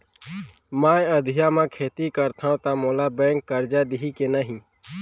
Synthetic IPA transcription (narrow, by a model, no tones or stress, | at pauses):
maːẽəd̪ʱɪjamãkʰeːt̪ikəɾt̪ʰaõt̪amoːlabɛ̃ːŋkːəɾd͡ʒad̪ɪɦikenəɦĩ